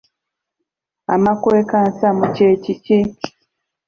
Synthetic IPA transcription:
a̰makwekansamucecit͡ʃi

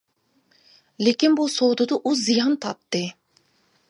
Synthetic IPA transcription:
lekʲinbusowd̪ud̪uʔuzːijɑnt̪ʰɑt̪ːɨ

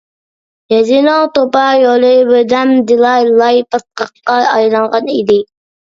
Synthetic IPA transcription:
jɛzinɑŋt̪opɑjolˠɨbød̪ɛmd̪ɪlˠɑjlˠɑjpət̪̚qəqqːɑɑjlˠɑɴʁɑnid̪ɪ

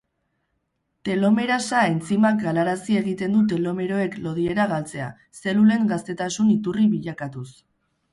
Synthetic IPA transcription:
t̪e̞lo̞me̞ɾasae̞nt͡simak̚ɡalaɾasie̞ɣ̞it̪e̞nd̪ut̪̬e̞lo̞me̞ɾo̞e̞klo̞ð̞ie̞ɾaɣalt͡se̞a̰ | se̞lule̞ŋɡast̪e̞t̪asunit̪uriβiʎakat̪us

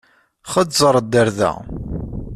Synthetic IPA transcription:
χədzˤəɾˤd̪ːəɾðæ̰

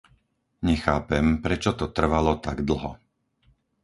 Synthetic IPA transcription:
ɲɛxaːpɛmpɾɛt͡ʃɔt̪ɔt̪r̩ʋalɔt̪aɡd̪l̩ɦɔ

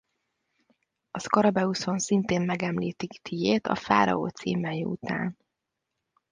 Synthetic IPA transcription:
ɒskɒɾɒbɛuso̞nsint̪eːmmɛɡɛmliːt̪ikt̪ijeːt̪ɒ̰fa̰ːɾɒ̰o̰ːt̪sḭːmɛjiṵt̪a̰ːn

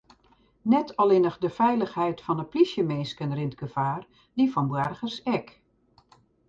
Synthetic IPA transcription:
nɛtʰɔlɪnəxdəfɛjləxhɛjtfɔnəplisjəmeːskənrɪntɡəfaːr | difɔnbwɛrɣərsɛk

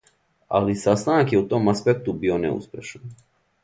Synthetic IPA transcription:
a̰lisast̪anakjeut̪o̞ːmaspek̚t̪ubio̞nḛṵspje̞ʃan

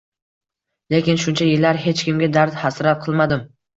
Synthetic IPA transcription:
lekʲɪnʃʊnt͡ʃʰajɪlːaɾɦe̞t͡ʃkʲɪmɡʲad̪aɾd̪hasɾat̪̚qʰɨlˠmad̪ɪm

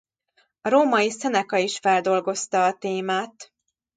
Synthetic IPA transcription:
ɒɾoːmɒjisɛnɛkɒiʃfɛld̪o̞lɡo̞st̪ɒːt̪eːmaːt̪

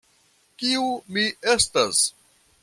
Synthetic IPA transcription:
kiumiestas

